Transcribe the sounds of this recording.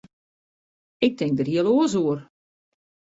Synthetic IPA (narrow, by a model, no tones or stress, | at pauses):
ɪk̚tʰɪŋk̚dərhiəlˠoəs̬uər